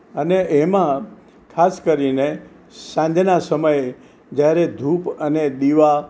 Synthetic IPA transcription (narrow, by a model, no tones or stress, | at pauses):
əneʔemã | kʰaskəɾine | sãɲd͡ʒʱnasəməj | d͡ʒjaɾed̪ʱupəneɗ̪iʋa